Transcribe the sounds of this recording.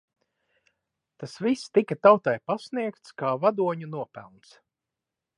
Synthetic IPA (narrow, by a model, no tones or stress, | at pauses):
t̪asvist̪ikat̪awt̪ajpasniɛkt̪skaːvad̪uɔɲunuɔpæ̰lˠns